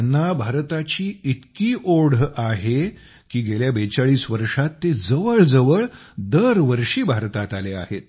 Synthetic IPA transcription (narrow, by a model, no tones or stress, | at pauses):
anːabʱaɾt̪at͡ɕiːit̪kiːʔoɽ̤aɦe | kiːɡeljabet͡saɭiːsʋəɾʂat̪ːed͡zəʋəɭd͡zəʋəɭ | d̪əɾʋəɾʂiːbʱaɾt̪at̪alea̰ɦet̪̚